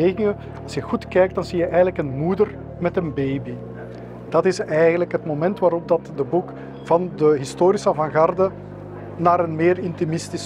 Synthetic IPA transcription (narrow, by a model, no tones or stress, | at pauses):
eːɣɪŋə | ɑlˠsjəɣutkɛːjk̚d̥ɑnzijəʔɛjɣələkənmuːdər | mɛtənbejbi | d̥ɑtɪsɛjɣənləkɦətmomɛntʋaːɾɔb̚dɑtdəbuk | v̥ɑndəɦɪstoːɾisəvɑnɣɑrdə | naːɾənmɪːrɪntimɪstis